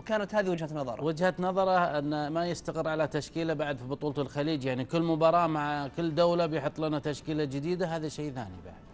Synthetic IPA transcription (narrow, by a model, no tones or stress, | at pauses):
wkaːnat̪haːðiwɪd͡ʒhanɑðˤɑɾˤɑwɪd͡ʒhat̪nɑðˤɑɾˤɑʔɪnːamajɪst̪aqɪɾːʕalat̪aʃkiːlabaʕd̪fibʊt̪ˤuːlt̪ɪlxaliːd͡ʒjaʕnikɪlːmʊbɑːɾˤɑːʔmaʕkɪlːd̪awlabjħɨt̪ˤːlɪnat̪aʃkiːlad͡ʒɪd̪iːd̪aɦaːðaʃejːθa̰ːnḭba̰ʕd̥̪